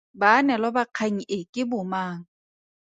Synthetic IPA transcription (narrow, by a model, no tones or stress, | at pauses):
baːnɛlɔbaq͡χʰaŋ̩ʔɪkʼɪbʊmaːŋ̩